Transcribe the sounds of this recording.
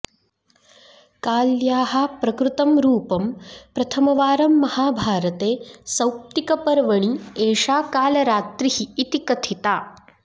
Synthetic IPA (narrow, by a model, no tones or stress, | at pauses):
kaːljaːɦɐpɾɐkɾut̪ɐmɾuːpɐmpɾɐt̪ʰɐmɐʋaːɾɐmːɐhaːbʱaːɾɐt̪eːsɐwp̚t̪ikɐpɐɾʋɐɳieːʂaːkaːlɐɾaːt̪ɾiɦiːt̪ikɐt̪ʰit̪aː